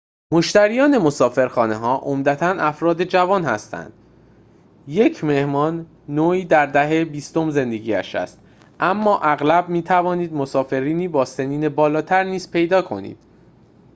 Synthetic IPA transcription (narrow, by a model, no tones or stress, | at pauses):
mo̞ʃt̪æɾijɒːne̞mo̞sɒːfe̞ɾxɒːne̞ɦɒːʔomd̪æt̪ʰænʔæfɾɒːd̪e̞d͡ʒævɒːnhæ̰st̪æ̰nd̪̥ | je̞cʰme̞hmɒːnː | oːiːd̪æɾd̪æɦebiːst̪omze̞nd̪e̞ɟiːæ̰ʃæ̰st̪̚ | ʔæmːɒːʔæɣlæbmiːt̪ʰævɒːniːd̪mosɒːfe̞ɾiːniːbɒːseniːne̞bɒːlɒːt̪ʰæɾniːz̥pʰe̞jd̪ɒːkʰo̞̰nḭːd̪̥